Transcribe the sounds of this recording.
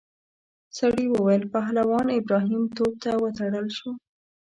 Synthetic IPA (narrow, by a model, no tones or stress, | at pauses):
saɽiwəwajəlpaɦlawɑnɪbɾɑɦimt̪ob̚t̪awət̪aɽəlʃu